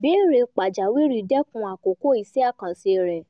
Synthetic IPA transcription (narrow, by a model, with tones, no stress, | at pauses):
bi˦ɾe˧k͡pa˨d͡ʒa˨wi˦ɾi˧˨dɛ˦kũ˧˦a˨ko˨ko˦i˧˦sɛ˦a˦˨kã˨si˧˨ɾɛ˨